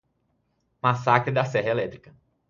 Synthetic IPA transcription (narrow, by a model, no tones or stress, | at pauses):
masakɾɪd̪ɐsɛɦɐelɛt̪ɾikɐ